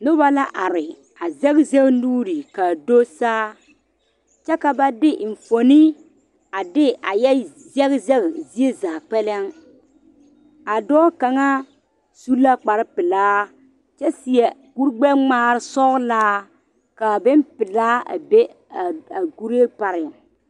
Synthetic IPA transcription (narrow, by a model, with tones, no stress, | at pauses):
nʊ˦ba˦la˦ʔa˨ɾɪ˨ | a˨zɛ˦ɣze˦ɣnuː˦ɾi˨ka˨do˦saː˦ | t͡ʃɛ˦ka˨ba˦dɪ˦ʔɪ˨ɱ̩˨fo˨ni˦ | a˨dɪ˦a˨jɛ˦ | zɛ˦ɣzɛ˦ɣzi˦e˦zaː˨k͡pɛ˦lɛ˦ŋ | a˨dɔː˦ka˨ŋa˦ | su˦la˦k͡pa˨ɾɪ˦pɪ˨laː˦ | t͡ʃɛ˦si˨ɛ˨ɡu˦ɾɡ͡bɛ˦ŋ͡maː˦ɾɪ˦sɔ˦ɣlaː˦ | ka˨bɪ˦m˦pɪ˨laː˦a̰˨be˦ | a˨a˨ɡu˦ɾe˦ɾpa˨ɾɪ˨ŋ